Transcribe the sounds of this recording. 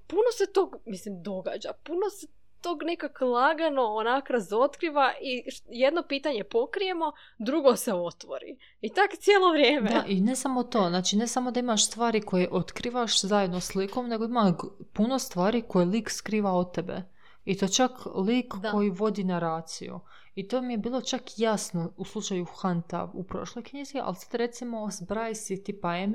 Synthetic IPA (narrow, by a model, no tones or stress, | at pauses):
punoset̪oːɡmislimd̪o̞ɡa̰d͡ʒapunose | t̪oːɡnekaklˠaɡanoonakɾazo̞t̪kɾiːʋaʔijed̪nopiːt̪aɲe̞pokɾije̞mo̞ | d̪ɾuɡoseo̞t̪ʋo̰ɾḭ | it̪akt̪sjeːlˠoʋɾjeːmdeaʔinesamot̪o̞ːznaːt͡ʃinesamo̞d̪aimaʃst̪ʋaːɾiko̞jeʔo̞t̪kɾiːʋaʃzajed̪nosliko̞mne̞ɡo̞imapuno̞st̪ʋaːɾiko̞jeliːkskɾiːʋaot̪ːebe̞̰ | it̪o̞jt͡ʃakliːkːo̞jiʋo̞d̪inaɾaːt̪sḭjṵ | it̪o̞ːmije̞biːlˠo̞t͡ʃakjasnouslˠut͡ʃajuxant̪a̰ʋupɾo̞̰ʃlˠo̞jkɲizia̰lsḁt̪ɾe̞t̪simo̞sbɾaːjsit̪ipaem